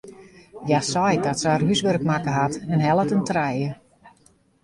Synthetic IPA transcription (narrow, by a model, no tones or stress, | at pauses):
jasɔjdɔtsəərɦysʋørkmakəɦatɛnɦɛlˠətəntrɛjə